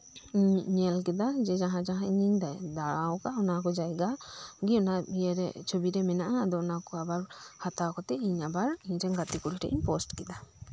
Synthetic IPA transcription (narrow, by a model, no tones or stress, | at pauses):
iɲɲɛlk̬ɛd̪ad͡ʒɛd͡ʒaɦãd͡ʒaɦãiɲiɲd̪ajd̪aɽawkaɔnakɔd͡ʒajɡaɡiɔnabijɛɾɛt͡ʃʰobiɾɛmɛnaʔaːd̪ɔɔnakɔabaɾhat̪akɔt̪ɛiɲabaɾiɲd͡ʒɛŋɡat̪ikuɾiʈɛ̰ʔḭɲpɔsʈkɛd̪a